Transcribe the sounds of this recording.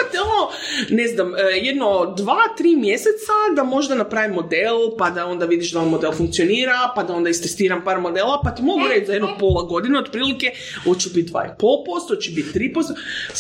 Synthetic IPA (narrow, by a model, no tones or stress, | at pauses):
t̪eononeznamjed̪nod̪ʋaːt̪ɾiːmje̞set̪sad̪amo̞ʒd̪anapɾaːʋimːo̞d̪elˠpad̪ao̞nd̪aʋid̪iʃd̪aonmo̞d̪e̞lˠfuŋk̚tsio̞niːɾapad̪ao̞nd̪aist̪est̪iːɾampaːɾmo̞d̪elˠapat̪imo̞ɡuɾet͡ʃzajed̪nopo̞lˠaɡo̞d̪ineo̞d̪pɾiːlike̞ | o̞d̪t͡ʃɛbit̪̚d̪ʋa̰ːḭpolˠpo̞st̪ot̪t͡ʃebit̪t̪ːɾiːpost̪